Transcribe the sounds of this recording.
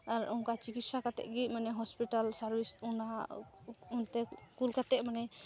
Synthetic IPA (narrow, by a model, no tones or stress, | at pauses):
aɾunkat͡ʃikit̪sakat̪ɛ̰ʔ̚ɡit̪̚manɛɦɔspiʈalsaɾbisuna | unt̪ɛkulkat̪ɛʔ̚manɛ